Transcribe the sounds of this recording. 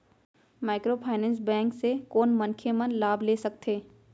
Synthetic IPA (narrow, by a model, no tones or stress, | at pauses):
maːɪkɾoːpʰaːɪnɛ̃ːns̬bɛ̃ːŋksekoːnmɐ̃nkʰemə̃nlaːbʱleːsɐk̚t̪ʰeː